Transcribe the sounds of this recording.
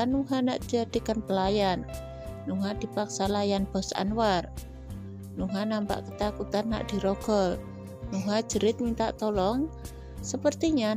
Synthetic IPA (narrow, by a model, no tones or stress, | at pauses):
anuɦanaʔd̪d͡ʒad̪̥i̤kənpəlajanː | uɦad̪̥i̤paksalajanb̥ɔ̤sa̰nwar | nuɦanampa̰ʔkət̪akut̪anːa̰ʔd̪̥i̤ɾoɡ̥ɔl | nuɦad̥ʒ̥ə̤ɾɪt̪̚mint̪a̰ʔt̪olɔŋ | səpərt̪iɲa